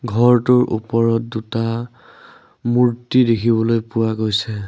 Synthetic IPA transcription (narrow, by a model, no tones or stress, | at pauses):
ɡʱɔɹtʊɹʔṵpɔɹɔt̚duta | muɹtidekʰibɔlojpʊwaɡojsɛ